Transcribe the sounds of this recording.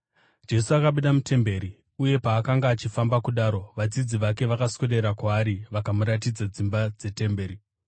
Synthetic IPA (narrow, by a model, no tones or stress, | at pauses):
d͡ʒe̞suakaɓuɗamute̞mbe̞ːɾi | uje̞paːkaŋɡaːt͡ʃifambakuɗaːɾo̞ʋad͡zid͡ziʋake̞ʋakasweɗe̞ɾakwaːɾiʋakamuɾatid͡zad͡zimbad͡ze̞te̞mbe̞ːɾi